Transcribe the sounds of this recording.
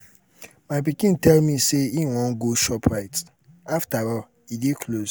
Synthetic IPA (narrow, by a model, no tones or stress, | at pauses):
maɪpikĩntɛlmiseiwɔ̃n̩ɡoʃɔpʰɹaɪt | aftaɾɔ | idekʰlos